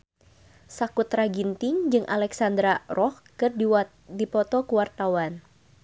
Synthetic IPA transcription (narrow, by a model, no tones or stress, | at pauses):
sakut̪ɾaɡint̪ɪŋd͡ʒɨŋʔa̰lɛksand̪ɾarʔɔh | kɨrdi | dipɔt̪ɔkuwart̪awan